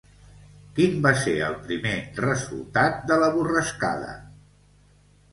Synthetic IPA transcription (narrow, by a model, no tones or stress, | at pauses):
kimbaseɾəlˠpɾimerəzṵlˠt̪at̪̚d̪ələβurəska̰ðə̰